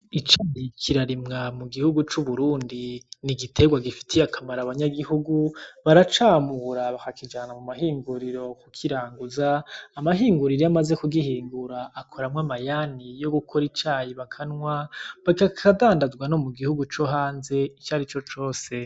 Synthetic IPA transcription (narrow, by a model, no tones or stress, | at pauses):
it͡ʃaːjikʰiɾaɾimŋamuɡihuɡut͡ʃuβuɾuːndiniɡitʰe̞ɡwaɡifi̥tʰijakʰamaɾaβaɲaɡihuɡuβaɾat͡ʃaːmuɾaβakakid͡ʒaːnamumaɦiːŋɡuɾiɾo̞kukʰiɾaːŋɡuzaːmaɦiːŋɡuɾiɾiamaze̞kuɡihiːŋɡuɾaːkʰoɾamwamajanijo̞ɡukʰoɾit͡ʃaːjiβakʰanŋwaβakakʰadaːndazɡwano̞muɡihuɡut͡ʃo̞ɦaːnze̞it͡ʃaːɾit͡ʃo̞t͡ʃo̞ːse̞